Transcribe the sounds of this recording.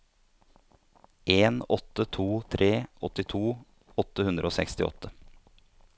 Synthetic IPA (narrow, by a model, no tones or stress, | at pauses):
ʔeːnɔt̪ːət̪ʰuːt̪ʰɾʔeːʔɔt̪ɪt̪ʰuː | ɔt̪ːəhʉnd̪ɾʔoːsɛ̰kst̪ɪ̰ɔ̰t̪ʰːə